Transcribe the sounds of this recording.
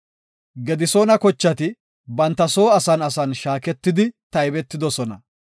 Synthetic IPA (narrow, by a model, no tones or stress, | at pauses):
ɡɛd̪ɪsoːnɐkɔt͡ʃːɐt̪ɪ | bɐnt̪ːɐso̞ːɐsɐnɐsɐnʃaːkɛt̪ːɪd̪ɪt̪ɐjbɛt̪ːɪd̪ɔsɔnɐ